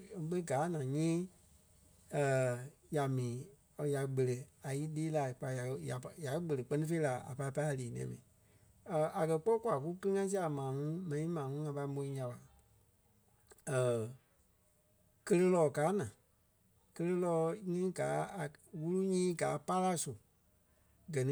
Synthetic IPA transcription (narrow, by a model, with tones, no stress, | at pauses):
ɓə˦ɡaː˨˦nã˨ɲĩː˦ | ə˨ | ja˨mĩː˨ | ja˨ɡ͡bə˨lə˨a˨ji˦liː˦la˨k͡pa˧˨ja˨˧ja˨pja˨˦ɡ͡bə˨lə˨k͡pɜ˦nĩ˦fe˦i˦la˨a̰˨pa˧i˦pa˧˦a˨liː˨nɛ̰̃ː˨mḭ̃ː˨ | ə˨ʔa˨kɜ˧k͡pɔ˦kʷwa˨k̬u˦kə˦ɨ˦ŋã˧˦s̬i˦a˨mãː˨ŋũ˦mɛ̃˨nĩ˨˦mãː˨ŋũ˦ŋã˧pa˧i˦mõ˧˦ĩ˦ja˧la˨ | ə˨ | kə˧lə˧˦lɔː˨˦kaː˨˦nã˨ | kə˧lə˧lɔː˧˦ŋĩ˦ɡaː˨˦a˨wu˦lu˦ɲĩː˦ɡaː˨˦pa˦la˦su˨ | ɡɜ˨nĩ˦